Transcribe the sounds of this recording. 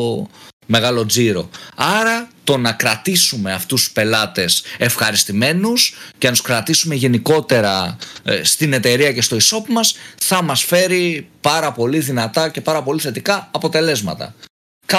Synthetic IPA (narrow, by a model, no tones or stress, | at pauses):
me̞ɣɐlo̞d͡ziɾo̞ɐɾɐt̪o̞nɐkɾɐt̪isume̞ɐft̪uspe̞lɐt̪e̞se̞fxɐɾist̪ime̞nuscenɐt̪u̥skɾɐt̪isume̞ʝe̞niko̞t̪e̞ɾɐst̪ine̞t̪e̞ɾiɐce̞st̪o̞iso̞pmɐsθɐmɐsfe̞ɾipɐɾɐpo̞liðinɐt̪ɐce̞pɐɾɐpo̞liθe̞t̪ikɐːpo̞t̪e̞le̞zmɐ̰t̪ɐ̰ | kɐ